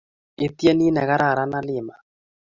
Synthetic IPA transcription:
ɪ˨t̪jɛ˦ni˦nɛ˨ɣa˦ɾa˨ɾa˦na˦lɪ˨ma˨

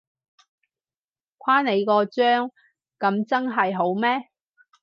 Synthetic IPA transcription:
kʷʰwaː˥ne˨˧jkɔː˧t͡ʃœː˥ŋ | kɐ˨˧˥mt͡sɐ˥nɦɐ˨jɦo˨˥wmɛː˥

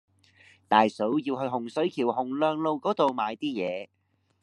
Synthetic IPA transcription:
t̪aː˨jsɵ˨˥wjiː˧wɦɵ˧ɦʊ˨˩ŋsɵ˨˥ɥkʰiː˨˩wɦʊ˨˩ŋlœː˨˧ŋlo˧wkɔː˨˥t̪o˨wmaː˨˧jt̪iː˥jɛː˨˧

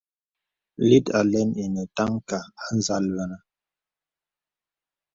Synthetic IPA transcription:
li˦ta˨lɛ˦ni˨nɛ˨ta˦ŋka˨a˦n̩˦za˦lwɛ˦na˦

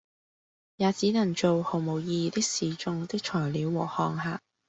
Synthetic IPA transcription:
jaː˨˧t͡siː˨˥nɐ˨˩ŋt͡ʃo˨who˨˩wmo˨˩wjiː˧t̪ɪ˥k̚siː˨˩t͡ʃʊ˧ŋt̪ɪ˥k̚t͡ʃʰɔː˨˩jliː˨˧wːɔː˨˩hɔː˧ŋhaː˨˩

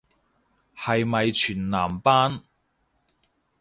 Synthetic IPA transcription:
hɐ˨jmɐ˨jt͡ʃʰyː˨˩nnaː˨˩mpaː˥n

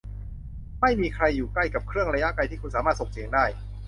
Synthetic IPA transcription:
ma˥˩jmiː˧kʰɾa˧jːuː˨˩kla˥˩jka˨˩p̚kʰɾɯ˥˩əŋɾa˧ja˦˥ʔkla˧jt̪ʰiː˥˩ku˧nsaː˩˦maː˥˩t̪so˨˩ŋsi˨˩˦əŋdaː˥˩j

